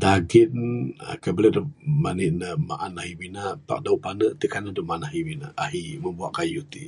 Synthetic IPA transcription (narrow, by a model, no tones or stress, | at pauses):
daɡina̰kabələdumaniʔnəhma̰ʔanaɦiminapa̰ʔ̚dauʔpanəʔt̪ikanədumaʔanaɦimina̰aɦiməbuaʔkajut̪ḭ